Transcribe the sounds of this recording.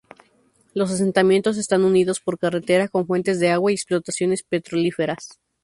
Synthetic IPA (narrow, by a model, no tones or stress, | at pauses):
lo̞s̬as̬e̞nt̪amje̞nt̪o̞s̬e̞st̪anuniðo̞spo̞ɾkare̞t̪e̞ɾako̞ɱfwe̞nt̪e̞zðe̞aɣwaieksplot̪asjo̞ne̞spe̞t̪ɾo̞life̞ɾas